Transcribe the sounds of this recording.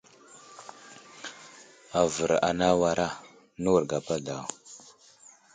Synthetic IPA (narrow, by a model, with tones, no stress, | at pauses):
a˨və˨ɾa̰˨na˦wa˨ɾʔa˦ | nu˦wu˨ɾɡa˨pa˦da˨w